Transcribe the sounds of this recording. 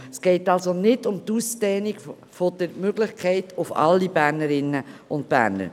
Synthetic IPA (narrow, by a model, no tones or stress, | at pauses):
sɡ̥ɛɪtɑlsonɪtʊmtustɛːniɡ | fod̥əɾmøɡlɪχkʰɛɪtʊfɑ̰lːibæɾnəɾɪnːəʊnt̚b̥æ̰ːɾnə̰ɾ